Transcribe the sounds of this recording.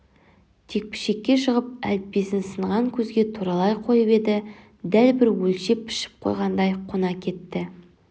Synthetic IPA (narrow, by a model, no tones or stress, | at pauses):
t̪ʰe̞k̚pɪ̥ʃe̞kʲːe̞ʃəʁəp̚æ̰lp̚pːe̞sɪnsəɴʁɑŋkʲʰɵzɡʲe̞t̪ʰuɾɑlˠɑjqʰo̞jəpe̞d̪ɪ | d̪ælbɪɾwɵlʃe̞pʰːɪ̥ʃɪ̥p̚qʰo̰jʁɑnd̪ɑjqʰonɑkʲʰe̞t̪ːɪ